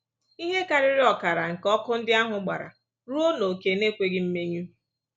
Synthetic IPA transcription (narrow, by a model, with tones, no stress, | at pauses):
i˦ɦe˦ka˨ɾɪ˦ɾɪ˦ɔ˨ka˨ɾa˨ŋ̩˨kɔ˦kʊ˦n̩˦dɪ˦a˦ɦʊ˨ɡ͡ba̰˨ɾa̰˨ | ɾu˦o˦no˨ke˨ne˦kʷe˦ɡɪ˦m̩˦me˦ɲu˦